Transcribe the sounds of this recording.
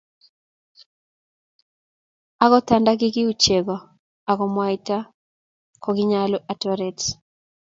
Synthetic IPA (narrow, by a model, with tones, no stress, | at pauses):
a˦ɣɔ˦ta˨nda˦ɡɪ˦ɡɪ˦ut͡ʃe˨ɡɔ˨ | a˨kɔ˨mwa˨ita˦ | kɔɡɪ˦ɲalo˦ʔatɔɾɛt